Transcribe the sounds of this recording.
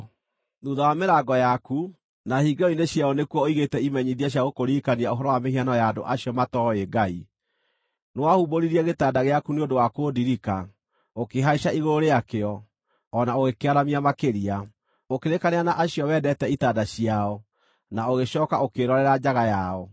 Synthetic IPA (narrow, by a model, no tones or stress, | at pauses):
ðuðawameɾaɡɔjaku | nahiːɡeɔineɕjaɔnekuɔoiɣetɛimɛɲiðiaɕ̬jaɣokoɾikaniaoɦɔɾɔwameɦianɔjado̰ʔaɕiɔmatɔeɡai | newahuboɾiɾiɛɣetaːdaɣeakuneondowakodiɾika | okeɦaiʃaiɣoɾoɾeakeɔ | ɔnaoɣekeaɾamiamakeɾia | okeɾekaneanaʔaɕiɔwɛdɛtɛitaːdaɕiaɔ | naoɣeɕɔːkaokeɾɔɾɛɾad͡ʑaɣajaɔ